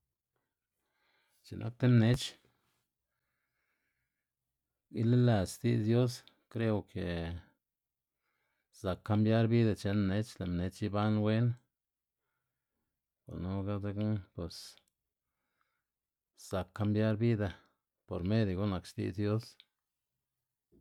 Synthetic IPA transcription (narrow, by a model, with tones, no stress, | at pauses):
t͡ʃe˨nʔa̰˧k̚t̪e˦mne˦t͡ʃ | ɡi˦li˦la˨sst̪ḭ˧zd̪jo˦s | kɾe˦wkʰe˨ | za˨kːa˧mbja˦ɾbi˦d̪a˧t͡ʃe˧nmne˦t͡ʃla˨mne˧t͡ʃi˦ba˦nwe˦n | ko̰˨ɾno˦ɡa˦d̪e˧˦knpwe˨s | z̥a˨kːa˧mbja˦ɾbi˦d̪a˧ | po˨ɾme˦d̪ɡo˦na˧kʃt̪ḭ˦˧zd̪jo˦s